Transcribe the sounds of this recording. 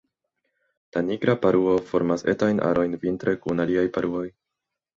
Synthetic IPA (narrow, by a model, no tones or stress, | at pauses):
laniɡɾapaɾuo̞fo̞ɾmase̞tajnʔa̰ɾʔo̞jnvintɾekunaliajpaɾuo̞j